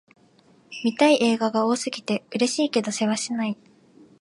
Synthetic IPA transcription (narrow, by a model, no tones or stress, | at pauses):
mʲit̪aiʔe̞ːɡaɡao̞ːsɨɡʲit̪e̞ɯ̟ɾe̞ɕiːke̞d̪o̞se̞βaɕinai